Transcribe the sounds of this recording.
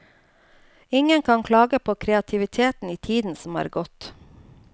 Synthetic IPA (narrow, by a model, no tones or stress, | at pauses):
ɪŋənkʰɑːŋkʰlɑːɡəpʰoːkʰɾɛɑt̪ʰɪʋɪt̪ʰeːt̪n̩iːt̪ʰiːd̪n̩sɔmɑ̰ːɾɡɔt̪